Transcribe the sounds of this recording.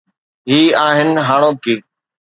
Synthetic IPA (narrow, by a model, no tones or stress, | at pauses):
ɦiːaːɦɪnɦaːɽ̃oːkiː